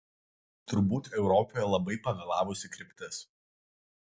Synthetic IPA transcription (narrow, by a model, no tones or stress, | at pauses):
t̪ʊɾbuːt̪ɛʊɾɔpɔjɛlˠɐbɐɪpɐɡɐlˠɑːʋʊsʲɪkɾʲɪpʲt̪ʲɪs